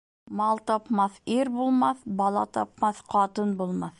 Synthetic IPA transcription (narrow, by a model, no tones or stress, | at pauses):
mɑlˠt̪ɑpmɑθiɾbulˠmɑθbɑlˠɑ̰t̪ɑpmɑθqɑt̪ɤnbulˠmɑθ